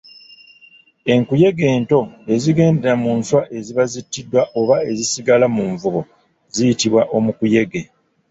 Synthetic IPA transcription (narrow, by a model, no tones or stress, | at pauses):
e̞ŋkuje̞ɡe̞ːnto̞e̞ziɡe̞ːnde̞ɾamuːnswaʔe̞ziβazitːidːwaʔo̞βae̞zisiɡalamuɱvuɡo̞ | zijitiβwaʔo̞mukuje̞ɡe